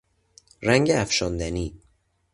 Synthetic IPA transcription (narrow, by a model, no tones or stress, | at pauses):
ɾæŋɟeæfʃond̪æniː